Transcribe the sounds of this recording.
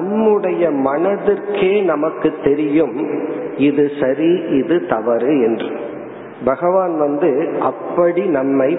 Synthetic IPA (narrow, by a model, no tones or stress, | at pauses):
ɐmːɯɽɐjɐmɐnɐðɪrkeːnɐmɐkːɯt̪ːɛɾɪjɯmɪðɯsɐɾiʔɪðɯt̪ɐʋɐɾɯɛndrɯ | bɐɣɐʋaːnʋɐnd̪ɯɐpːɐɽinɐmːɐɪ